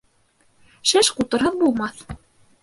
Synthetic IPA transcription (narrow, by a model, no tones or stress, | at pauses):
ʃæʃqut̪ɤ̆ɾɦɤðbulˠmɑθ